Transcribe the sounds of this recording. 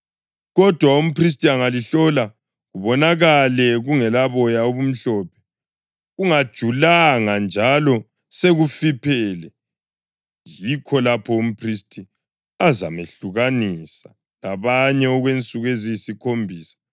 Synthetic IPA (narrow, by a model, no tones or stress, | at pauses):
ɣɔd̥ʱwaum̩pʰris̬tʼiaŋaliɬɔla | ɣuβɔnaɣalɛɣuŋɛlaβɔjauβum̩ɬɔːpʰɛ̥ | ɣuŋad̥ʒ̥ʱulaŋand͡ʒʱalɔ | seɣufipʰɛlɛ | jikʰɔlapʰɔum̩pʰristʰʼi | aza̰meɬuɣanisa | laβaɲɛɔɣwent͡sʼuɣwezijsikʰombʱiːsḁ